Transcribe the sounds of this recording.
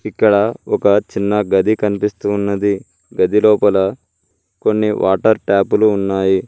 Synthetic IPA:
ikːɐɽɐɔkɐt͡ʃinːɐɡɐd̪ikɐnipist̪uːnːɐd̪i | ɡɐd̪ilɔːpɐlɐ | ko̞nːiʋʔa̰ːʈɐɾʈaːpuluːnːaːji

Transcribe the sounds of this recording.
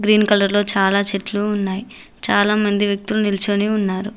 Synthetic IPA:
ɡɾiːnkɐlɐɾlo̞ːt͡ʃaːlaːt͡ʃeʈluːnːaːji | t͡ʃaːlaːmɐnd̪iʋjɐk̚t̪ulunilt͡ʃoniunːaːɾu

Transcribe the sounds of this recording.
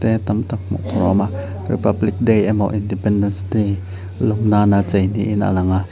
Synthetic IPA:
t̪ɛt̪ɐmt̪ak̚mɔ̰ʔkʰɾɔ̰ma | rḭpɐblik̚dejamɔ̰ʔindipɛndɛnsdej | lɔmnanat͡sejniʔɪnʔa̰lɐŋa

